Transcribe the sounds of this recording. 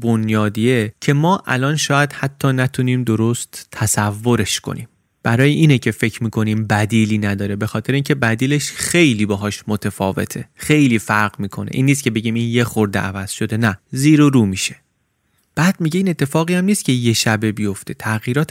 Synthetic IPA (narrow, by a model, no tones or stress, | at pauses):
bonjɒːd̪iːecʰe̞mɒːʔæ̰lɒːnʃɒːjæd̪̥hæt̪ʰːɒːnæt̪ʰuniːmd̪o̞ɾost̪ʰːæsævːo̞ɾe̞ʃkʰo̰nʔḭːm | b̥æɾɒːjeʔiːnecʰe̞fe̞cʰɾmiːkʰo̞niːmbæd̪iːliːnæd̪ɒːɾe̞be̞xɒːt̪ʰeɾeiːncʰe̞bæd̪iːleʃxe̞jliːbɒːɦɒːʃmot̪ʰefɒːve̞̰t̪ʰe̞xe̞jliːfæɾɣmiːkʰo̞̰nḛʔiːnːiːst̪cʰe̞be̞ɟiːmiːnje̞xoɾd̪ḛʔævæz̥ʃo̞d̪e̞næziːɾoɾuːmiːʃe | b̥æːd̪̥̚miɟe̞iːne̞t̪ʰːe̞fɒːɣijæmniːst̪̚cʰe̞je̞ʃæbe̞bijo̞ft̪ʰe̞t̪ʰæɣjiːɾɒːt̪